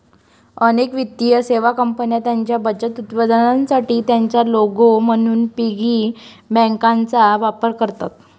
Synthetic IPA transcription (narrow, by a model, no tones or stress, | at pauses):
ənekʋit̪ːijəseʋakəmpənjat̪jaɲt͡ɕjabəd͡ʑət̪ut̪pəd̪ʱənansaʈiːt̪jaɲt͡ɕjaloɡom̤əɽ̃uːnpiɡiː | bɛ̃ŋkãnt͡saʋapəɾkəɾt̪at̪